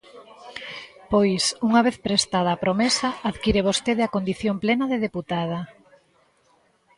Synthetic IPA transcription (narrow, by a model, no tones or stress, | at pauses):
pojsuŋaβ̞eθpɾest̪að̞ɐːpɾomesɐːðkiɾeβ̞ost̪eðeakond̪iθjomplenɐðeðeput̪að̞ɐ